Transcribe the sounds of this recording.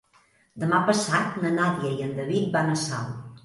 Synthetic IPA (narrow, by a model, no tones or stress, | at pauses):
d̪əmapəsat̪nənaðjəjənd̪əβit̪̚banəsal